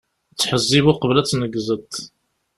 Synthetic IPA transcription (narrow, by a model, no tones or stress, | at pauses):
t͡sːħəzːiβuqəvlæt͡sːnəɡzət̪